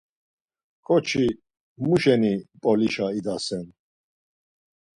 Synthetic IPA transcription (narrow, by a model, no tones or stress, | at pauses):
kʼɔt͡ʃʰi | muʃɛnipʼɔliʃaid̪asɛn